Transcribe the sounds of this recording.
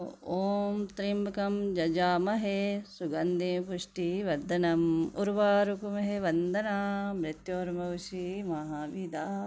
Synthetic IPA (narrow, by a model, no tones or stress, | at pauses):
oːmt̪ɾimbɐkɐmd͡ʒɐd͡ʒaːmɐɦesuɡɐnd̪eːpuʂʈiʋɐd̪ɐnɐmuɾʋaːɾukumɐɦeʋɐnd̪ɐnaːmɾɪt̪joːɾmɐwʃimɐɦaːʋiːd̪aː